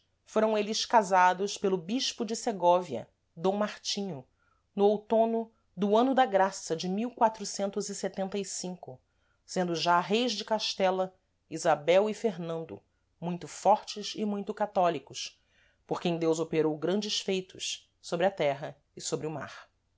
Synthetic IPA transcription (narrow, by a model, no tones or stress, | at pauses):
foɾɐ̃w̃elɪʃkazad̪ʊʃpelʊbiʃpʊd͡ʒɪseɡɔviɐ̰ | d̪õw̃maɾt͡ʃĩɲʊ | nʊowt̪õnʊ | d̪ʊɐ̃nʊd̪ɐɡɾasɐd͡ʒɪmiwkwat̪ɾʊsẽnt̪ʊzɪset̪ẽnt̪ɐisĩŋkʊ | sẽnd̪ʊʒaɦejzd͡ʒɪkaʃt̪ɛlɐ | izabɛwifeɾnɐ̃nd̪ʊ̰ | mũj̃t̪ʊfɔɾt͡ʃɪʃɪmũj̃t̪ʊkat̪ɔlikʊs | poχkẽj̃d̪ewzopeɾowɡɾɐ̃nd͡ʒɪʃsfejt̪ʊʃ | sobɾɪɐt̪ɛɦɐ | ɪsobɾɪʊma̰ɾ